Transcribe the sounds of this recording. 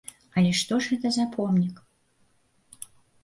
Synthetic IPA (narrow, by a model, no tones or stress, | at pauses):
ɐlʲɛʂt̪ɔʐɣɛt̪ɐzapʰɔmnʲik